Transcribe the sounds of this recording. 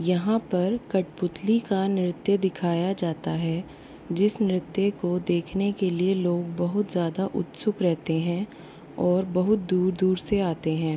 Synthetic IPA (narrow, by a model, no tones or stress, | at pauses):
jɐɦãpɐɾkɐʈpʊt̪likanɪɾɪt̪jəd̪ɪkʰaːjad͡ʒaːt̪aɦɛ | d͡ʒɪsnɾɪt̪jəkod̪eːkʰnekelieloːɡ̚bɐɦʊt̪zjaːd̪aʔʊ̰t̪sʊkɾɛɦt̪eɦɛ̃ː | ɔːɾbɐɦʊt̪̚d̪uːɾd̪uːɾseaːt̪eɦɛ̃ː